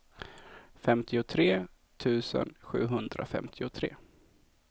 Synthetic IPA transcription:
fɛmt̪ʰɪʊt̪ʰɾeː | t̪ʰʉ̟ːsə̰nɧʉ̟ːɦɵnd̪ɾa̰fɛ̰mt̪ʰɪʊt̪ʰɾḛː

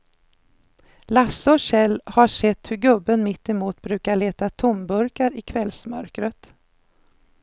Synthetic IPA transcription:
lasːəɔɕɛlːhaʂɛt̪ːhɵɾɡɵbːənmɪt̪ːɪmuːt̪bɾʉːkaɭeːt̪at̪ʰʊmbɵɾkaɾɪkʰvɛlsmœ̰ɾkɾət̪

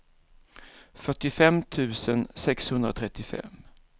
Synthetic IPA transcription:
fœʈːɪfɛmt̪ʰʉ̟ːsənsɛkshɵnd̪ɾa̰t̪ʰɾɛt̪ːɪfɛ̰m

